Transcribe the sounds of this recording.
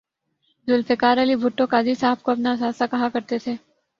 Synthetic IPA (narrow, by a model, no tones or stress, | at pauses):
zʊlfekaːɾəlibʱʊʈːõkaːd͡ʒisaːəb̚koɐpnasaːsakɐɦãkɐɾt̪et̪ʰeː